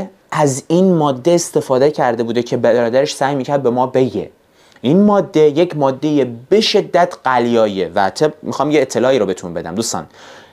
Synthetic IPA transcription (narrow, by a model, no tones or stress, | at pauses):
ʔæzinmɒːd̪ːe̞ːst̪e̞fɒːd̪ecʰæɾd̪e̞buːd̪ecʰe̞bææɾɒːd̪æɾeʃsæjmiːcʰæɾd̪̚be̞mɒːbe̞ɟḛ | ʔinmɒːd̪ːe̞je̞cʰmɒːd̪ːe̞jebe̞ʃe̞d̪ːæt̪ʰɢ̥æljɒːjevæt̪ʰemixɒːmjeːt̪ʰːe̞lɒːiːɾobe̞t̪ʰunbe̞d̪æ̰md̪uːst̪ɒ̰ːn